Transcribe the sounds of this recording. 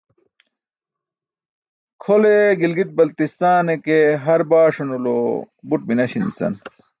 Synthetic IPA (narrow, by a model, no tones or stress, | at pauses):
kʰoleɡilɡit̪̚bɐlt̪ist̪aːnekeɦɐɾbaːʂonulo | buʈ̚binɐɕint͡sɐ̰n